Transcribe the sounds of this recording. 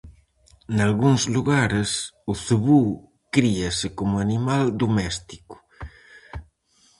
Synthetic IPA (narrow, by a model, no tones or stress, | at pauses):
nalɣuŋzluɣaɾesuθuβu | kɾiasekomuanimald̪omɛst̪i̥ku̥